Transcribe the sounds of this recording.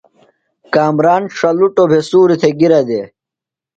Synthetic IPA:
kaːmɾaːnʂɐluʈobʱesuːɾit̪ʰeɡiɾɐd̪e

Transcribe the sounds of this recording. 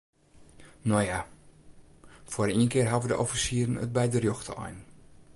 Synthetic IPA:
noja | foːɾiənkɪːrɦavədəʔɔfisiːɾənə̰t̚bɛjdərjoxtə̰ɔ̰jn

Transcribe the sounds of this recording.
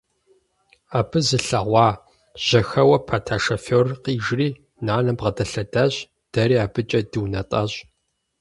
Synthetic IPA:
aːbɨzɨɬɐʁʷɑː | ʑ̥ɐxɐwɐpʰaːtʰaːʂɐforqiːʒriː | naːnɐbʁɐdɐɬɐdaɕ | d̥ɐɾiːaːbɨt͡ʃʼɐdɨwnɐtʼɐ̰ɕ

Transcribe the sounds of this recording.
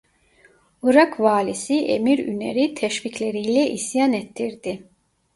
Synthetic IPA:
uɾakvaːlʲisiʔḛmiɾy̰nḛɾit̪ʰɛʃviclʲe̞ɾijlʲɛʔisjanet̪ʰːiɾd̪̥ɪ

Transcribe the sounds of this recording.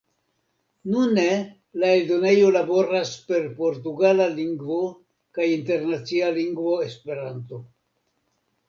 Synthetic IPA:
nune | laeldo̞ne̞jo̞labo̞ɾaspe̞ɾpo̞ɾt̬uɡalaliŋɡvo̞ | kajinte̞ɾnat͡sialiŋɡvo̞espe̞ɾanto̞

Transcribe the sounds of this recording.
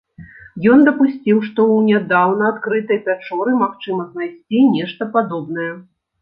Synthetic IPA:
jɔnd̪ɐpusʲt͡sʲiwʂt̪ɔwnʲad̪awnɐat̪kɾɨt̪ɐjpʲat͡ʂɔɾɨmaxt͡ʂɨmɐznajsʲt͡sʲinʲɛʂt̪ɐpad̪ɔbnɐjɛ

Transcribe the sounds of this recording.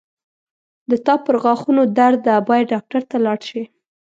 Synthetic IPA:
d̪ət̪ɑpəɾɣɑxunod̪aɾd̪abɑjaɖɑk̚ʈaɾt̪alɑɽʃi

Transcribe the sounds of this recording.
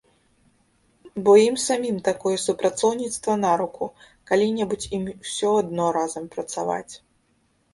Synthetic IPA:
bɔjimsamʲimt̪akɔjɛsupɾat̪sɔwnʲit̪st̪vɐnaɾuku | kalʲinʲɛbut͡sʲimsʲɔad̪nɔɾazɐmpɾɐt̪sava̰t͡sʲ

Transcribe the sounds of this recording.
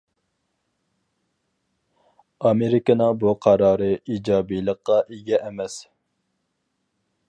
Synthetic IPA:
ɑmeɾɪkənɨŋbuqʰɑɾɑːɾɨiːd͡ʒɑːbijlˠəqːɑʔeɡʲɛʔːmɛs

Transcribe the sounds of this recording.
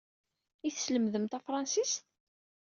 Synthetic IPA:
iθsləmðəmt̪æfɾˤɑnsist̪

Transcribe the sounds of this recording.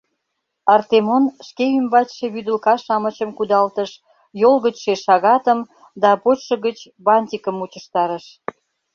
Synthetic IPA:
ɑrt̪emonʃkeymbɑt͡ɕʃeβyd̪əlkɑʃɑmət͡ɕəmkud̪ɑlt̪əʃ | jolɣət͡ɕʃeʃɑɣɑt̪əm | d̪ɑpot͡ɕʃə̆ɣət͡ɕbɑnʲt̪ʲikəmut͡ɕə̆ʃt̪ɑɾə̆ʃ

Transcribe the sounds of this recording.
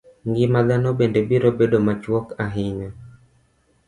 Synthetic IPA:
ŋɡɪmad̪anɔbendebiɾobedomat͡ʃwɔkaɦɪɲɔ

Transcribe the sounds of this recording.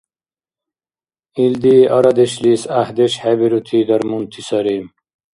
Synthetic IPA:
ild̪iːɐɾɐd̪eɕliːsahd̪eɕhebiɾut̪ʰiːd̪ɐɾmunt̪ʰisɐɾiːm

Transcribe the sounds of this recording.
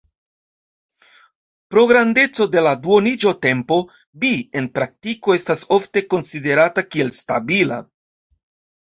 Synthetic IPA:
pɾo̞ɡɾande̞t͡so̞de̞laduonid͡ʒote̞mpo̞ | bie̞npɾak̚tiko̞e̞staso̞fte̞ko̞nside̞ɾatakie̞lstabila̰

